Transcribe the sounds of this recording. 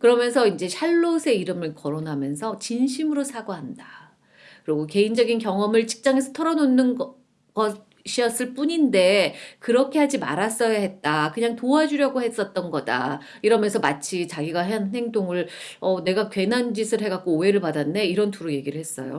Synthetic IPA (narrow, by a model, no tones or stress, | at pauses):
kɯɾʌmjʌnsʰʌind͡ʑe̞ɕʰaɭːosʰe̞iɾɯmɯɭkʌɾonɦamjʌnsʰʌt͡ɕinɕʰimɯɾosʰaɡoɦanda | kɯɾiɡoke̞ind͡ʑʌɡinkjʌŋʌmɯɭt͡ɕi̥k̚t͡ɕ͈aŋe̞sʰʌtʰʌɾʌnonːɯn | ɡ̥ʌ | ɕʰiʌs͈ɯɭp͈uɲinde̞kɯɾʌkʰe̞had͡ʑima̰ɾas͈ʌjaɦe̞t̚t͈akɯɲaŋtoad͡ʑuɾjʌɡohe̞s͈ʌt̚t͈ʌnɡʌda̰ | iɾʌmjʌnsʰʌmat͡ɕʰit͡ɕaɡiɡaɦeannɦe̞ŋdoŋɯɭʌne̞ɡakɥwe̞nand͡ʑisʰɯɭɦe̞ɡak̚k͈oːe̞ɾɯɭpadanːe̞iɾʌntʰuɾoje̞ɡiɾɯɭhes͈ʌ̰jo̰